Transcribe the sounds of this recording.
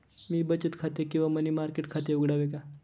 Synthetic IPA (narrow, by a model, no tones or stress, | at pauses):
miːbət͡ɕət̪kʰat̪ekĩw̃ʋamənimaɾkeʈkʰat̪euɡɽaʋeka